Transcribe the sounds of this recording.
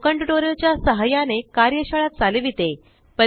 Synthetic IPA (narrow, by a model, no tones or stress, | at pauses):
kəɳʈʈoɾət͡ɕjasəɦajanekaɾjəɕəɭat̪̚d͡zaleʋit̪e | pə